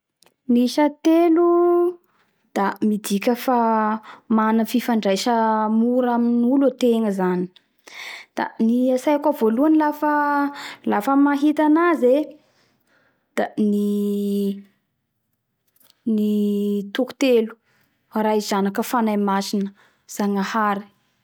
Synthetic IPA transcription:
niʃət̪elu | d̪̥amid̪ikʲəfa | manəfifaɳɖ͡ʐajʃəmuɾaminulat̪eŋəzani̥ | d̪̥a̰niasajakavoluanilafə | lafəmaɦit̪anaze | d̪̥ani | nit̪uku̥t̪elu̥ | raizanakəfanajmasinə̥ | z̥aŋahaɾi̥

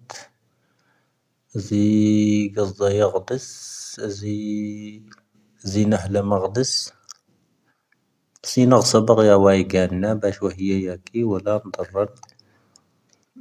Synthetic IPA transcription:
t̪ | ziɡɑzˤːɑjɑɣd̪əszi | zinəhləməɣd̪əs | sinəɣsˤɑbəqjæwæjɡænːæbæʃwæhəjːæjækiwəlːænd̪ˤɑrˤːɑn

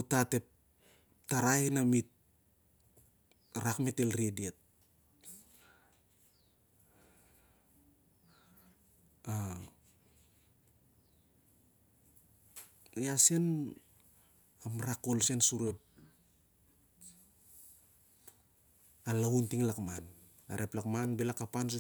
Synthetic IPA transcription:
otate̞p̚ | taɾaenamit̚ | ɾakmetelɾiediet̚ | a | asen | amɾakolsensuɾep̚ | alauntiŋlakman | a̰ɾʔeplakmanbelakapans̬u

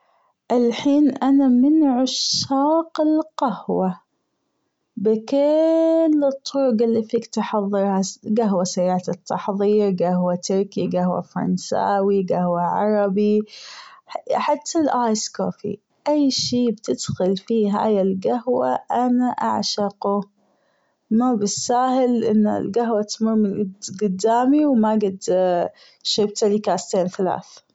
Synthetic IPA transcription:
ʔɪlħiːnʔanamɪnʕʊʃːɑːqɪlqahwa | bɪkɪlːɨt̪ˤːʊɾʊɡɪlːifiːkt̪ħɑðˤːɨɾhaɡaɦwasajaʕt̪ɪt̪ʰːɑħðˤiːɾɡahwat̪ʊɾkiɡahwa̰fɑɾˤɑ̰nsa̰ːwiɡahwaʕɑ̰ɾˤɑbi | ħat̪ʰːalʔaːjskoːfḭ | ʔajːʃiːbt̪ɪd̪̥xʊlfiːɦa̰ːjɪlɡaɦwaʔanaʔa̰ʕʃɑqʊ | mabɪsːaːhɪlʔɪ̰nːa̰lɡaɦwat̪mʊɾmːɪnɡɪd̪ɡʊd̪ːaːmiwmaɡɪd̪ | ʃɪb̚t̪alikaːst̪eːnθala̰ːθ

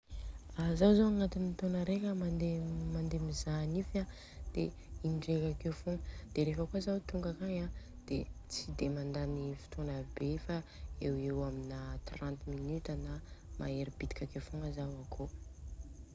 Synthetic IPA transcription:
azawzawaŋat̪init̪onəɾekʲəmand̪emand̪emizanifa | d̪̥e | inɖ͡ʐekakewfoŋəd̪̥eɾefəkuazawt̪uŋɡakaɲã | d̪̥et͡sid̪emand̪anifi̥t̪onabefaewewaminat̪rãnt̪minyt̪anamʔa̰eɾibid̪i̥kʲakefoŋəzawakʰo

